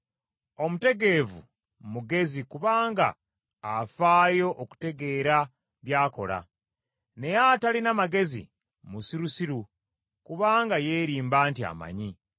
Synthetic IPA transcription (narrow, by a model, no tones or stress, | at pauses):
o̞mute̞ɡe̞vṵ | muɡe̞zikuβaːŋɡa̰ː | faːjo̞ʔoku̥te̞ɡe̞ːɾa | βjaːko̞̰la̰ | ne̞jatalinamaɡe̞zḭ | musiɾusiɾu | kuβaːŋɡaje̞ɾiːmbaːntia̰ma̰ɲi